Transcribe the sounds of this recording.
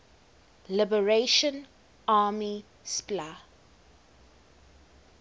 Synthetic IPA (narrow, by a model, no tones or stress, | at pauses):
lɪbəɹeʃə̃n | aːmi | spla